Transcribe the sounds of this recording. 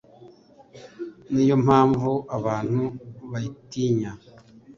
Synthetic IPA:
niːjo̞mhaːɱvuʔaβaːn̥huβajitiɲa

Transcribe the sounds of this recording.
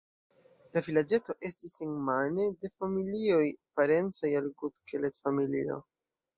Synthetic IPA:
lavilad͡ʒe̞to̞ʔe̞stiseŋmane̞de̞familio̞jpaɾe̞nt͡so̞jalɡudkʰeletfamilḭo̞̰

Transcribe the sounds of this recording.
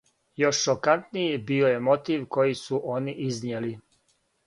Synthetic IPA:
jo̞ʃːokant̪nijibioje̞mo̞t̪iːʋko̞jisuʔo̞niʔiznjeli

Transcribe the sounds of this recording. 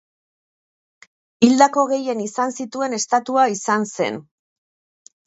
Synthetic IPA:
ild̪ako̞ɣe̞je̞nisansit̪ue̞ne̞st̪at̪uaisanse̞̰n

